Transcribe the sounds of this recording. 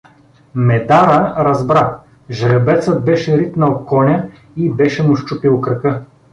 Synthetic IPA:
mɛd̪aɾəɾɐzbɾa | ʒɐɾʲɛbɛt̪sət̪̚bɛʃɛɾit̪nɐokɔnʲɐ | ibɛʃɛmʊʃt͡ʃupilˠkɾɐkɤ

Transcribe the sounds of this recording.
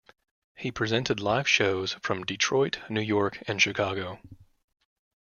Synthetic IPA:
hipʰɹ̥izɛ̃ntɨdˡlaɪv̥ʃoʊz̥fɹʌ̃mdɨtʰɹ̥ɔɪʔⁿnʉjɔɹkʰɨ̃nʃɨkʰɑɡoʊ

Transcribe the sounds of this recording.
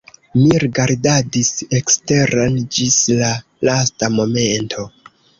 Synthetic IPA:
miɾiɡaɾdadise̞kste̞ɾand͡ʒisla | lastamo̞me̞ntʰo̞

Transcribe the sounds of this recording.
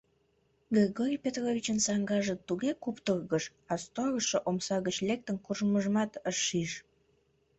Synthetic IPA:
ɡeɡoɾʲijpʲet̪rovʲit͡ɕənsɑŋɡɑʒət̪uɣekupt̪ərɣəʃ | ɑst̪orəʃoʔomsɑɣət͡ɕlek̚t̪ənkuʒəməʒəmɑt̪əʃːiʃ

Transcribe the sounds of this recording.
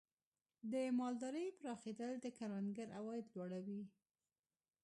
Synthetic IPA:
d̪əmɑld̪ɑɾəjpəɾɑxed̪əld̪əkaɾanɡaɾawɑjɪd̪lwɑɽawi

